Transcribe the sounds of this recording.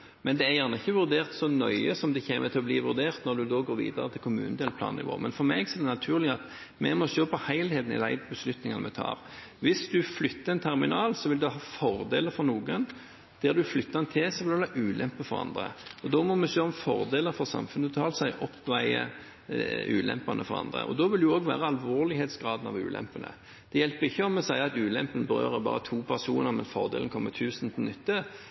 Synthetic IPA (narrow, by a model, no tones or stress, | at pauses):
mɛnd̪ɛæjæʁnəɪçːəʋʉɾd̪eːʁt̪sɔnœʏəsɔmd̪ɛçeːmət̪ʰɪlɔbliːʋʉɾd̪eːʁt̪nɔɾd̪ʉd̪oːɡoːɾʋḭːd̪ɑɾət̪ʰɪlkʰʊmʉ̰ːnəd̪eːlpʰlɑ̰ːnɪ̰ʋo̰ːmʔɛnfɔɾmɛɡsɔɛd̪ɛnɑt̪ʰʉːʁlɪɑt̪ | mɛmɔʃøːpʰɔhæɪlheːd̪n̩ɪ̰d̪æ̰ɪbəslʉt̪nɪŋɑnəmɛt̪ʰɑ̰ːɾ | ʋɪsd̪ʉflʏt̪ːəɛnt̪ʰɛɾmɪnɑːlsɔʋɪld̪ʉɦɑːfɔɾd̪eːləɾfɔɾnuːɡən | d̪̥ɛːd̪ʉflʏt̪ːɑɛnt̪ʰesɔʋɪld̪ɑʔʉːlʔɛmpəfɔɾɑ̰nd̪ʁə̰ɔd̪ɔmɔmɛsøːɔmfɔɾd̪eːləɾfɔʁsɑ̰mfʉnʉt̪ʰɑːlsæɪʔɔpːɔʋæɪə̰ | ʉ̰ːlɛ̰mpɑnʔəfɔɾɑ̰nd̪ʁə̰ʔɔ̰d̪ɔːʋɪld̪ʉoːɡʋæ̰ːʁəɑlʋoːɾlɪheːt̪sɡɾɑːd̪n̩ɑ̰ʋʉ̰ːlʔɛ̰mpənə̰ | d̪̥ɛjɛlpəɾɪçːəɔmɛsæɪɑt̪ʉːlɛmpənbəɾø̰ːɾəbɑ̰ːʁət̪ʰuːpʰæʁsuːnəɾmɛnsfɔʁd̪ḛːln̩kʰɔmːət̪ʰʉːsn̩t̪ʰɪlnʏt̪ːə